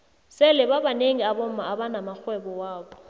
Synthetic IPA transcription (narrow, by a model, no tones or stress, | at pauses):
sɪlɪbabaneŋ̩abom̩maabanamak͡xʰwɛbɔwaːbɔ